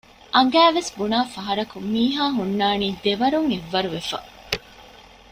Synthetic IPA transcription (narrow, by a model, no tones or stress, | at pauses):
ʔɐŋ̆ɡæːʋesbunaːfɐɦɐɾɐkumiːɦaːɦunːaːniːd̪eʋɐɾuŋeʋːɐɾuʋefɐ̰